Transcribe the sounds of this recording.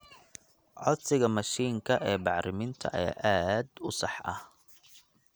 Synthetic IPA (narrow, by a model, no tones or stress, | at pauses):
ʕɔ̰d̪sɪɣɐmɐʃiːŋkʰɐʔɛːbɑʕɾɪmɪnt̪ʰɐ̰ʔɛʔaːd̪ʊsɑħʔɐ̰h